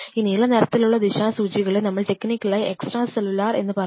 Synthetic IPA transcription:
iːniːlɐneɾɐt̪ːiluɭːɐd̪iɕaːsuːt͡ɕiɣɐɭenɐmːɐɭʈe̞kːnikʲːɐlaːjiʔeksʈraːselːulaːre̞̰nːɨpɐrɐ

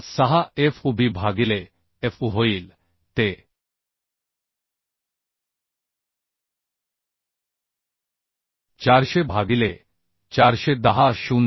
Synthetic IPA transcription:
saɦaefʰubibʱaɡile | efuɦoil | t̪e | t͡ɕaɾʃebʱaɡile | t͡ɕaɾʃed̪aɦaʃun

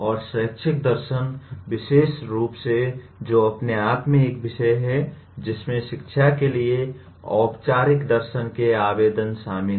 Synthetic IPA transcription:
ɔːɾsəkt͡ʃʰɪk̚d̪əɾʃənbɪʃeːsɾuːpse | d͡ʒoːɐpneaːpmẽeːkbɪʃəjɦɛ | d͡ʒɪsmẽʃɪkʃʰakelie | ɔ̰ːpt͡ʃaːɾɪkd̪əɾʃənkeaːbeːd̪ənsaːmɪ

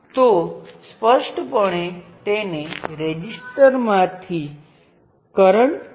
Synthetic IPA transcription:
t̪ospəʃʈpəɳ̃et̪eneɾed͡ʒisʈəɾmãt̪ʰi | kəɾəɳ

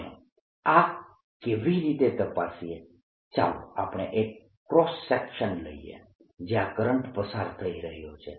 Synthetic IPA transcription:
a | keʋiɾit̪et̪əpasie | t͡ʃa̰lo̰apɳ̃eʔekː | ɾɔsːɛkʃənlə̰iḛ | d͡ʒeakəɾəɳʈpəsaɾt̪ʰəiɾəɦjot͡ʃʰe

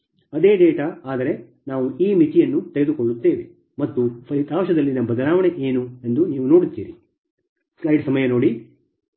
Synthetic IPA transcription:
ɐd̪e̞ːɖeːʈɐaːd̪ɐɾe | naːʋuiːmit͡ʃ̪ijɐnːut̪eɡe̞d̪ukoɭːut̪ːe̞ːʋe̞ | mɐt̪ːupʰɐit̪aːʋʃɐd̪ɐlːinɐmbɐd̪ɐlaːʋɐɳeʔeːnue̞nd̪uniːʋuno̞ːɽit̪ːḭːɾi | slɐjɖsɐmɐjɐnoːɽi

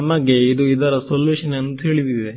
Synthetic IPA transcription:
ɐmːɐɡeid̪uid̪ɐɾɐsoljuːʃɐnɐnt̪ɦeːɭid̪idd̪e

